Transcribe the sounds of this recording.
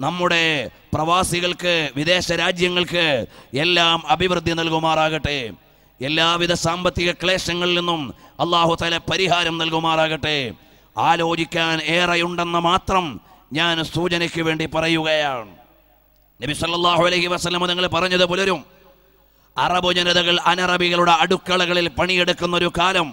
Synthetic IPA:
nɐmːuɽe̞ | prɐʋaːsiɣɐɭkɨʋid̪e̞ːɕɐɾaːd͡ʑjɐŋːɐɭkɨelːaːmɐbʱiʋrɨd̪ʱːinɐlkumaːraːɣiʈːɨ | elːaːʋiðɐsaːmbɐt̪ːiɣɐkɭe̞ːʂɐŋːɐɭilːinːumɐlˠːaːɦut̪aːlɐpɐɾiɦaːɾɐmnɐlkumaːraːɣiʈːɨ | aːlo̞ːd͡ʑikʲːaːneːrɐjuɳɖenːɐmaːt̪rɐmɲaːnsuːt͡ɕɐnikʲːuʋe̞ːɳɖipɐrɐjuɣɐjaːɳɨ | nɐbisɐlːɐlˠˤːaːɦuɐlɐhiʋɐsɐlːɐmɐniŋːɐɭpɐrɐɲːɐðɨpulɐɾum | ɐrɐbud͡ʑɐnɐðɐɣɐɭɐnɐrɐbiɣɐɭuɽeɐɽukːɐɭɐɣɐɭilpɐɳijeɽukːunːɐo̞ɾukaːlɐm

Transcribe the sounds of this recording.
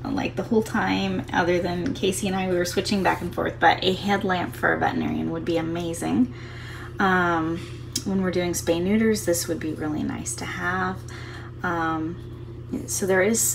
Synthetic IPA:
la̰ɪk̚ðəhoʊlˠtʰãɪ̃mʌ̰ðə˞ðɨ̃nkʰeɪsiɨ̃naɪwiwə˞swɪt͡ʃɪ̃ŋbækn̩fɔ̰ɹθb̥ʌ̰ɾʔɨɦɛdˡlæ̃mpfə̰˞ɨ̰vɛ̰ʔn̩ɛ̰ɹḭɨ̃nwəd̚biɨmeɪzɪ̰̃ŋ | ʌ̃m | wə̃nwɨɹdʉɪ̃ŋspẽɪ̃nʉɾə˞zðɪswɨd̚biɹɪlˠḭna̰ɪstʰɨəv̥ | ʌ̃m | soʊðə˞ɪz̥

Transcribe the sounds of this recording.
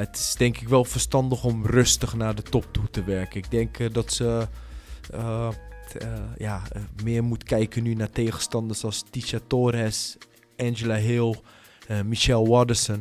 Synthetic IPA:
ətɪ̥sdɛŋkɪkʋɛlˠfərstɑndəχɔmrøstəχnaːɹdətɔp̚tutəʋɛɹkənɪɡ̚dɛŋkdɔtsə | jamɪːɹmutkɛjkənːynaɹteːχəstɑndəsɑlˠstiʃatoːrɛs | ɛnd͡ʒəlaɦɪlˠ | miʃɛlˠwɔdəsən

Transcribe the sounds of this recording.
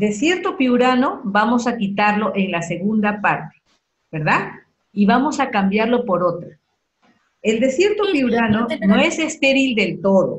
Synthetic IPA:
d̪e̞sje̞ɾt̪o̞piuɾano̞βamo̞sakit̪aɾlo̞ʔeŋlase̞ɣund̪apaɾt̪e̥ | be̞ɾðað | iβamo̞sakambjaɾlo̞po̞ɾo̞t̪ɾa | e̞ld̪e̞sje̞ɾt̪opiuɾano̞no̞e̞se̞st̪e̞ɾild̪e̞lt̪o̞ðo̞̰

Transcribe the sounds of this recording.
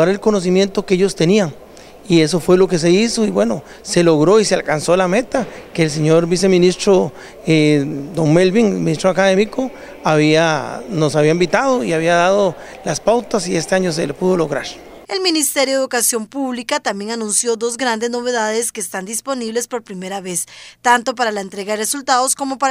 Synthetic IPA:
aɾelko̞no̞s̬imje̞nt̪okeeʝost̪e̞niaŋ | ie̞s̬o̞fwe̞lo̞ke̞s̬e̞iso̞iβwe̞no̞ | se̞loɣɾo̞isealkansolame̞t̪akeːls̬eɲoɾbis̬e̞mĩnist̪ɾo | ed̪oŋmelβiŋelminist̪ɾoakaðe̞miko̞ | aβianosaβiaimbit̪að̞oiaβiaðaðo | laspawt̪asiest̪eaɲos̬elepuðoloɣɾaɾ | elminist̪eɾjoukasjo̞mpuβlikat̪ambje̞ŋanũnsjo̞ðo̞zɡɾand̪e̞zno̞βe̞ðaðeskeːst̪and̪ispo̞niβle̞spo̞ɾpɾime̞ɾaβe̞st̪ant̪o̞p̬aɾalaent̪ɾe̞ɣaðresult̪aðosko̞mo̞pa

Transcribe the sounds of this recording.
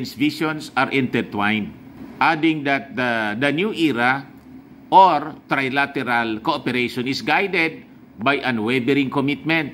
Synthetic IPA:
nsviʃonsaɾʔɛ̃nt̪ɛɾt̪wajn | ʔad̪ɪ̃ŋd̪at̪̚d̪ɐnjuʔiɾa | ʔoɾt̪ɾajlat̪ɛɾalkoʔopɛɾeʃɔnɪsɡajd̪ɛd̪̚ | bajʔɐnwɛbɛɾɪ̃ŋkomit̪̚mɛ̃nt̪̚

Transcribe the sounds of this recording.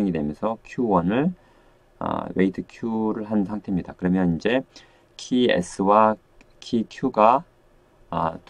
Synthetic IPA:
eŋidwe̞mjʌnsʰʌkʰjuwʌnɯɭ̰ | we̞itʰɯkʰjuɾɯɭɦansʰaŋtʰe̞mɲidakɯɾʌmjʌnind͡ʑe̞ | kʰiḛsʰɯwa | kʰikʰjuɡa̰ | t

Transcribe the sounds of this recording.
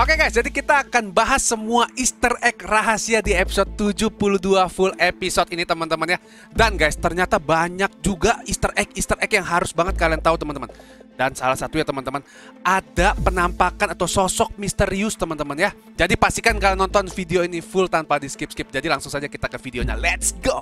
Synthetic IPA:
okeɡajsd͡ʒadikit̪aːkanbaɦasːəmuaʔist̪ərɛkraɦasiadiepi̥sot̪̚t̪ud͡ʒupuluduafʊlepisot̪init̪əmənt̪əmənja | danɡajst̪ərɲat̪abaɲak̚d͡ʒuɡaist̪ərɛkist̪ərʔɛkjaŋɦaɾʊsbaŋət̪̚kaliant̪aut̪əmənt̪əmən | dansalasat̪uɲat̪əmənt̪əmən | ʔadapənampakanat̪awsɔsɔk̚mist̪əɾiust̪əmənt̪əmənja | d͡ʒadipast̪ikankalanɔnt̪ɔnfideoinifʊlt̪anpadiskɪpskɪp̚d͡ʒadilaŋsʊuŋsad͡ʒakit̪akəfideoɲa̰lɛt̪sɡo

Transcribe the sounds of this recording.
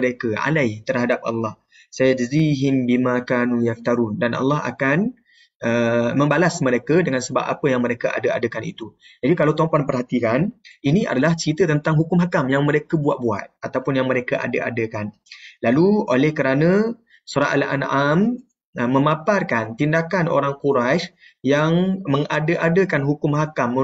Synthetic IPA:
ɾekəa̰lajt̪ərɦadap̚ɑ̰lːɑh | sajad͡ʒəziɦɪmbimãkanujaf̚t̪aɾundanʔa̰lːɑɦa̰kan | əmə̃mbalasməɾekədəŋansəba̰p̚a̰pəjaŋməɾekəʔa̰dəa̰dəkanḭt̪u | d͡ʒadikalawt̪ompanpərɦat̪ikaninĩʔa̰dalaht͡ʃit̪ət̪ənt̪aŋɦukʊmɦakamjaŋməɾekəbuat̪̚bua̰t̪̚at̪awpʊnjaŋməɾekaʔa̰dəʔa̰dəkan | laluolɛhkəɾanə̃ | soɾa̰ʔa̰lʔa̰nam | əmə̃maparkant̪indakano̰ɾaŋkuɾaʃ | jaŋməŋadəʔadəkanɦukʊmɦakamːə

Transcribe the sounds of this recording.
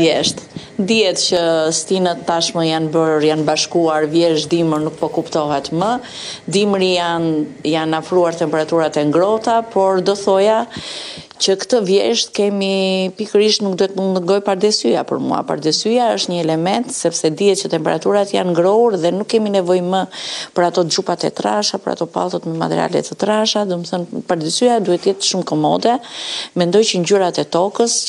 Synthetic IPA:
jɛʃt̪ | d̪iɛt̪cəst̪inət̪ːaʃməjanbəɾɾjanbaʃkuaɾvjɛʃd̪iməɾnuk̚pɔkupt̪ɔɦɛt̪mə | d̪imɾianjanafɾuaɾt̪ɛmpɛɾat̪uɾat̪ɛŋɡɾɔt̪apɔɾd̪ɔθɔja | t͡ɕəkt̪əvjɛʃt̪kɛmipikəɾiʃt̪nuk̚d̪uɛt̪mund̪əɾɡɔjpaɾd̪ɛsyjapə̰ɾmṵa̰pa̰ɾd̪ɛsyjaəʃt̪ɲəɛlɛmɛnt̪sɛpsɛd̪iɛt̪t͡ɕət̪ɛmpɛɾat̪uɾat̪janŋɡɾɔuɾðɛnukːɛminɛvɔjməpəɾat̪ɔd̪ɾupat̪ɛ̰t̪ɾaʃapəɾa̰t̪ɔpa̰tɔt̪mɛma̰t̪ɛɾia̰lɛ̰t̪ət̪ɾaʃad̪uməθɔnpaɾd̪ɛsyad̪uhɛt̪əjɛt̪ʃumkɔmɔ̰d̪ɛmɛnd̪ɔjt͡ɕəɲd͡ʑuɾat̪ɛt̪ɔkəs

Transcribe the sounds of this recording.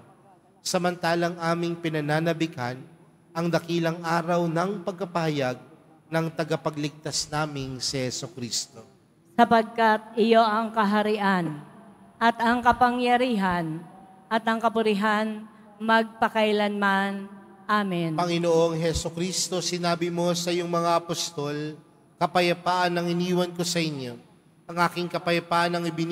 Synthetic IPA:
sɐmɐnt̪aːlɐŋʔaːmɪŋpɪnɐnaːnɐbɪkan | ʔɐŋd̪ɐkiːlɐŋʔaːɾɐwnɐŋpɐɡ̚kɐpɐhɐjaɡ̚ | nɐŋt̪ɐɡɐpɐɡlɪɡ̚t̪asnaːmɪŋsɛhɛsʊkɾist̪o̞ | sɐpɐɡ̚kat̪̚ʔɪjo̞ʔɐŋkɐɦɐɾɪʔan | ʔɐt̪ɐŋkɐpɐŋjɐɾiːɦɐn | ʔɐt̪ɐŋkɐpʊɾɪɦan | mɐɡ̚pɐkɐjlɐnman | ʔaːmɪnpɐŋɪnoʔo̞ŋɦɛsʊkɾist̪o̞sɪnaːbɪmo̞sɐjʊŋmɐŋaʔɐpost̪o̞l | kɐpɐjɐpaːʔɐnːɐŋɪniːwɐnko̞sɐʔɪɲjo̞ | ʔɐŋʔaːkɪŋkɐpɐjɐpaːʔɐnɐŋɪbɪn

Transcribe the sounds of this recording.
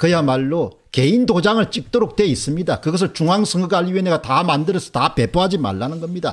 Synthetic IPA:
kɯjamaɭːo | ke̞indod͡ʑaŋɯɭt͡ɕ͈ik̚t͈oɾok̚t͈we̞is͈ɯmɲidakɯɡʌs̬ʰɯɭt͡ɕuŋɦaŋsʰɯŋɡɯɡaʎːiweneɡatamandɯɾɯsʰʌ̥tape̞poɦad͡ʑima̰ɭːanɯnɡʌmɲida̰

